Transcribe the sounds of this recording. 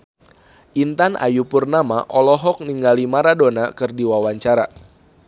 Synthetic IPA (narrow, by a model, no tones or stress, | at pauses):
ʔint̪anʔa̰jupurnamaʔɔlɔɦɔk̚niŋɡalimaɾadonakɨrdiwawaɲt͡ʃaɾa